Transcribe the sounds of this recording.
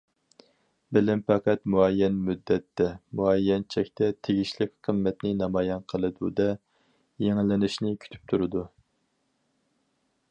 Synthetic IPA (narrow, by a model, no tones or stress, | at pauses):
bɪlɪmpʰæqʰæt̪muɛjːɛnmyd̪ːɛt̪ʰːɛmuɛjːɛnt͡ʃʰɛkʲt̪ʰɛt̪ʰeɡʲiʃlɪk̚ʲqʰəmːɛt̪nɪnɑmɑjɛnqʰəlˠɨd̪ud̪ɛ | jeŋlɪnɪʃnɪkʲʰy̥t̪ʰy̥p̚t̪ʰuɾɨd̪u